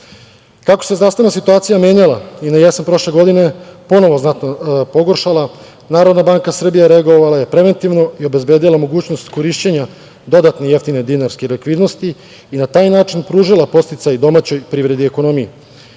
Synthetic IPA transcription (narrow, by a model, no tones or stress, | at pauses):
kako̞sezɾaːst̪anasit̪uaːt̪sijamjeːɲalainajesanpɾo̞ʃle̞ɡo̞d̪ine̞po̞no̞ʋo̞znat̪nopo̞ɡo̞ɾʃala | naːɾod̪nabaːŋkasr̩bijaɾeaɡo̞ʋalaje̞pɾe̞ʋe̞nt̪iʋno̞io̞be̞zbe̞ːd̪ilˠamo̞ɡuːt͡ɕno̞st̪ko̞ɾiːʃt͡ɕeɲa | d̪o̞d̪at̪neje̞ft̪ine̞d̪inaɾskelikʋiːd̪no̞st̪iː | nat̪aːjnaːt͡ʃinpɾuːʒilˠapo̞tst̪it̪sajd̪o̞mat͡ɕo̞jpɾiːʋɾe̞d̪ieko̞no̞mije